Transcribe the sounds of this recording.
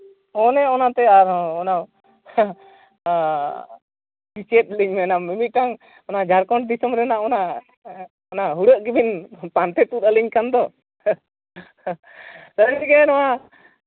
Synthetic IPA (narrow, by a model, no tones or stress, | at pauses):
ɔnɛɔnat̪ɛaɾɔɔnaw | bit͡ʃɛt̚liɲmɛnamimit̪̚ʈaŋ | ɔnad͡ʒaɾkɔɳɖ̚d̪isəmɾɛnaʔɔna | ɔnaɦuɽəʔɡibinpant̪ɛt̪ut̪əliɲkand̪ɔ | səɾbiikɛnɔwa